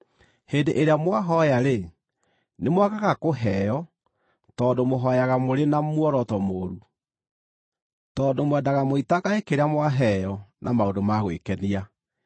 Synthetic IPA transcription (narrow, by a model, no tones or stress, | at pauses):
heːndeʔeɾeamwaɦɔjaɾe | nemwaɣaɣakoɦɛjɔ | tɔːndomoɦɔjaɣamoɾenamuɔɾɔtɔmoːɾu | tɔːndomwɛdaɣamoitaɣaekeɾeamwaɦɛjɔnʔamaodomaɣwekɛnia